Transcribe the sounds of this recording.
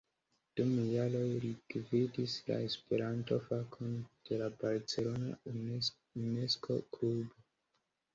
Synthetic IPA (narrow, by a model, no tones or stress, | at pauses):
d̥umjalo̞jɾiɡvidisla̰e̞speɾantofakʰond̥e̞labaɾt͡se̞lo̞na̰ | uneskʰo̞̰klubo